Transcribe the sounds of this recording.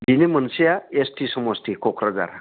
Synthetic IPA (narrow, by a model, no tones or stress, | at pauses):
binemənsijaesʈisəməsʈ̪ikokɾəd͡za̰ɾa̰